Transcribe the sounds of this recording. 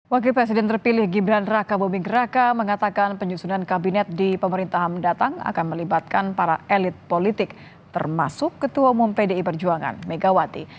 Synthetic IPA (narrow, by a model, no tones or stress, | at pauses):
wak̬ɪlpɾɛs̬idɛnt̪ərpilɪhɡibɾanrakabumɪŋrakaməŋat̪akanpəɲusunankabinɛt̪̚dipəməɾint̪aɦamdat̪aŋa̰kanməlibat̪̚kanpaɾa̰ʔɛlɪt̪̚polit̪ɪk̚ | t̪ə̰rma̰sʊkːət̪uaumumpedeipərd͡ʒuaŋa̰nmeɡawat̪ḭ